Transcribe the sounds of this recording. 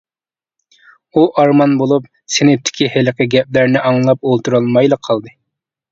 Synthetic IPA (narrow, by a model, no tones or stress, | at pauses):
uʔɑɾmɑnbolˠup̚ | senɪp̚t̪ʰɪ̥kʲʰiheləqəɡʲɛp̚læɾnɪʔɑŋlˠɑpolˠt̪ʰuɾɑlˠmɑjlˠəqʰːɑlˠd̪ɨ